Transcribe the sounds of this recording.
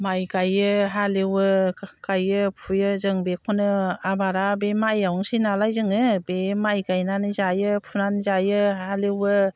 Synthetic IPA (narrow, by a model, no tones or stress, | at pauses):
majkajɯɦalewɯkajɯpʰujɯzɯŋbekʰɔnɯabaɾabemajawŋsinalajzɯŋɯbemajɡajnanɯzajɯpʰunanzajɯhalewɯ